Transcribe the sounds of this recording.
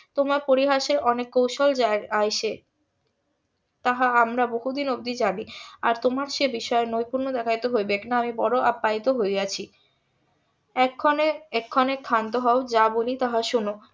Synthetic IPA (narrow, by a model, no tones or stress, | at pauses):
t̪omaɾpoɾiɦaʃeɾɔnekːowʃold͡ʑaajʃe | t̪aɦaamɾaboɦud̪inob̚d̪id͡ʑania̰ɾt̪omaɾʃebiʃɔeenojpuɾnod̪ɛkʰajt̪oɦojbeknaamibɔɾoʔapːait̪oɦojat͡ɕʰi | ɛkʰːoneɛkʰːɔnekʰant̪oɦɔod͡ʑabolit̪aɦaʃuno